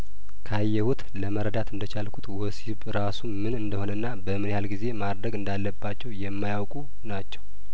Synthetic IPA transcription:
kʰajːɛhut̪ʼləməɾəd̪at̪ʰɨnd̪ət͡ʃʰalkʰut̪wɔsiβɾasumɨnɨnd̪əho̞nənːabəmɨnhalɡize̞mad̪ɾəɡɨnd̪alːəbːat͡ʃːɛwjɛmːajawkʼu | nat͡ʃːɛw

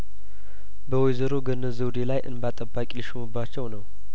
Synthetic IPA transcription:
bəwɔjzəɾoɡənːəzəwd̪elajʔɨ̰nbat̪ʼəbːakʼiliʃumɨbːat͡ʃːɛwnəw

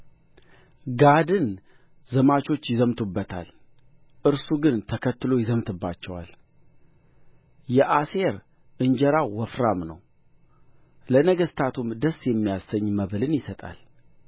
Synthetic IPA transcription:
ɡad̪ɨn | zəmat͡ʃo̞t͡ʃːjɪzəmt̪ʰubːət̪ʰa̰l | ʔɨɾsuɡɨnt̪ʰəkʰət̪ːɨlo̞jɪzəmt̪ʰɨbːat͡ʃːɛwa̰l | jɛʔaseɾ | ʔɨɲd͡ʒəɾawɔfɾamnə̰w | lənəɡəst̪ʰat̪ʰumd̪əsjɛmːijasəɲːməβlɨnjɪsət̪ʼa̰l

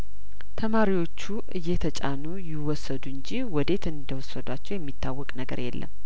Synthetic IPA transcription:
t̪ʰəmaɾiwo̞t͡ʃːuʔɨjːɛt̪ʰət͡ʃʼa̰nujɪwɔsːəd̪uɨɲd͡ʒiwɔd̪e̞t̪ɨnd̪əwɔsːəd̪wat͡ʃːɛwjɛmːit̪ʰːawːɔkʼnəɡə̰ɾjɛ̰lːə̰m

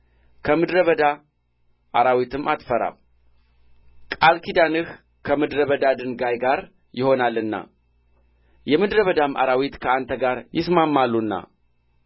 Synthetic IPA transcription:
kʰəmɨd̪ɾəβəd̪a | ʔaɾawit̪ʰɨmːʔat̪fəɾa̰β | kʼalkʰid̪anɨh | kʰəmɨd̪ɾəβəd̪ad̪ɨnɡajɡaɾ | jɪho̞nalːɨnːa̰ | jɛmɨd̪ɾəβəd̪ama̰ɾawit̪kʰəant̪ʰəɡaɾjɪsmamːalːunːa̰

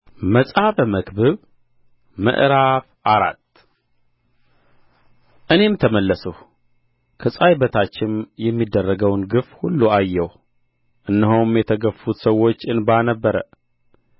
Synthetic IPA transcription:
məsʼafməkbɨβ | mə̰ʔɾafʔaɾa̰t̪ː | ʔɨne̞mt̪ʰəməlːəsuh | kʰɨsʼajbət̪ʰat͡ʃːɪnjɛmːid̪ːərːəɡəwnɡɨfhulːuajːɛw | ʔɨnːəɦomjɛt̪ʰəɡəfut̪səwo̞t͡ʃːɨnbanəbːəɾə̰

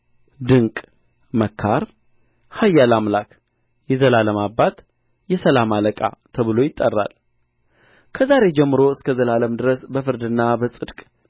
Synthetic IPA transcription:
d̪ɨŋkʼ | məkʰːaɾ | hajːalamlak | jɛzəlaləmabːat̪ | jɛsəlamaləkʼa̰t̪ʰəβɨlo̞jɪt̪ʼːərːa̰l | kʰəzaɾe̞d͡ʒɛmːɨɾo̞ɨskʰəzəlaləmd̪ɨɾəsbəfɨɾd̪ɨnːabəsʼɨd̪kʼ

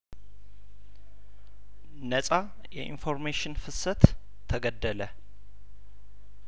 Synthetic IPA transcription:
nəsʼa | jɛʔḭnfo̞ɾmeʃɪnfɨsət̪ʰː | əɡəd̪ːələ

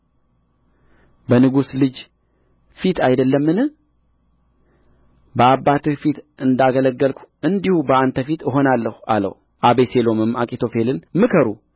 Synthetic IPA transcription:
bənɨɡuslɨd͡ʒ | fit̪ʰajd̪əlːəmːɨnɨ | bəabːat̪ɨfit̪ɨnd̪aɡələɡːəlkʷʰu̥ɨnd̪ihubəant̪ʰəfit̪ɨɦo̞nalːəha̰lə̰w | ʔaβese̞lo̞mɨmakʼit̪ʰo̞fe̞lɨnmɨkʰəɾu

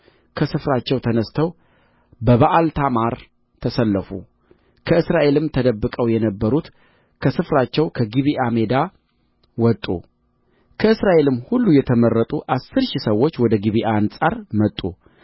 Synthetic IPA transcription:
kʰəsɨfɾat͡ʃːɛwt̪ʰənəst̪ʰəw | bəβaʔalt̪ʰamaɾ | t̪ʰəsəlːəfṵ | kʰəɨsɾaʔe̞lɨmt̪ʰəd̪əbːɨkʼəwjɛnəbːəɾut̪ | kʰəsɨfɾat͡ʃːɛwkʰəɡiβiʔame̞d̪a | wɔt̪ʼːṵ | kʰəɨsɾaʔe̞lɨmːhulːujɛt̪ʰəməɾːət̪ʼuʔasːɨɾʃisəwːo̞t͡ʃːwɔd̪əɡiβiʔansʼaɾmət̪ʼːu

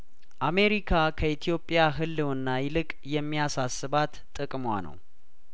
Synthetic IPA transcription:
ʔame̞ɾikʰakʰəit̪ʰijo̞pʼjaɦɨlːɨwɨnːajɪlɨkʼjɛmːijasasːɨβat̪t̪ʼɨkʼmwa̰nə̰w

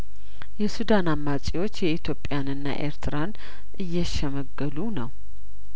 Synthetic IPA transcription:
jɛsud̪anamːat͡ʃʼiwo̞t͡ʃːjɛit̪ʰjo̞pʼːɪjanɨnːa̰ʔeɾt̪ʰɨɾan | ʔɨjːɛʃɛməɡːəlunəw

